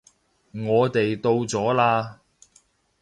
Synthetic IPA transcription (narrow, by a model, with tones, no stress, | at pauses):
ŋɔː˨˧t̪e˨jt̪o˧wt͡sɔː˨˥laː˧